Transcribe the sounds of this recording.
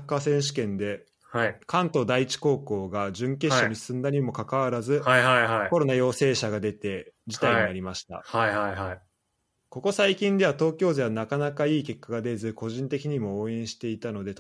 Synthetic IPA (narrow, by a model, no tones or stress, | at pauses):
kːasẽ̞ɰ̃ɕi̥kẽ̞nd̪e̞ | hakãnt̪o̞ːd̪aiit͡ɕi̥ko̞ːko̞ːɡaʑɨ̃ŋke̞ɕːaɲ̟isɨ̃nd̪aɲ̟imo̞kakaβaɾazɨhhaiɦaiko̞ɾo̞najo̞ːse̞ːɕaɡad̪e̞t̪e̞d͡ʑi̥t̪aaiɲinaɾʲimaɕi̥t̪a̰haihaiɦai | ko̞ko̞saikʲĩnd̪e̞β̞at̪o̞ːkʲo̞ːzeβanakanakaiːke̞kːaɡad̪e̞zɨko̞ʑĩnt̪e̞kʲiɲ̟imo̞ːẽ̞ɰ̃ɕi̥t̪e̞it̪ano̞d̪e̞t̪